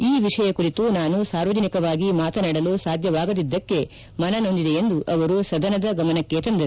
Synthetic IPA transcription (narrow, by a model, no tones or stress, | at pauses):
iːʋiʂɐjɐkuɾit̪unaːnusaːɾʋɐd͡ʒɐnikɐʋaːɡimaːt̪ɐnaːɽɐlusaːd̪ʱjɐʋaːɡɐd̪id̪ːɐkːe̞ | mɐnɐno̞nd̪id̪e̞end̪uʔɐʋɐɾusɐd̪ɐnɐd̪ɐɡɐmɐnɐkːeːt̪ɐnd̪ɐɾu